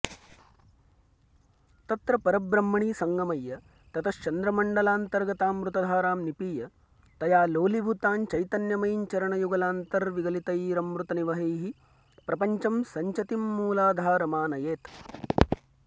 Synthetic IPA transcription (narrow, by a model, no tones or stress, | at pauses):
t̪ɐt̪ɾɐpɐɾɐbɾɐmːɐɳiːsɐŋɡɐmɐjːɐ | t̪ɐt̪ʰɐt͡ʃɐnd̪ɾɐmɐɳɖɐlaːnt̪ɐɾɡɐt̪aːmʋɾut̪ɐd̪ʱaːɾaːmnipiːjɐ | t̪ɐjaːloːlibʱut̪aːnt͡ʃɐjt̪ɐnjɐmɐjɲt͡ʃɐɾɐɳɐjuɡɐlaːnt̪ɐɾʋiɡɐlit̪ɐjɾɐmɾut̪ɐniʋɐɦɐjɦi | pɾɐpɐɲt͡ʃɐmsɐɲt͡ʃɐt̪imːuːlaːd̪ʱaːɾɐmaːnɐjeːt̪